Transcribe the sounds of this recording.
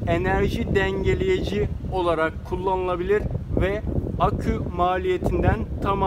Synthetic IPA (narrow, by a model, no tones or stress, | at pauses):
e̞næɾʒid̪ɛɲɟe̞lʲejed͡ʒio̞lˠaɾakʰːulˠːanɯlˠabilʲiɾvɛakʰymaːlʲije̞t̪ʰind̪ænt̪ʰama